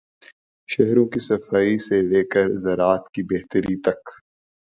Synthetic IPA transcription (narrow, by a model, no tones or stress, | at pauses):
ʃɛɦɾõkisɐfaːiseleːkəɾzɐɾaːt̪kibɛɦt̪əɾit̪ɐk